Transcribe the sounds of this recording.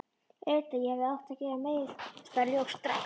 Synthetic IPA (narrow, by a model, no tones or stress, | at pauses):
ɛɾt̪ajɛhɛvðɪawht̪acɛːvameːjɪθst̪aɾljowxst̪ɾa̰j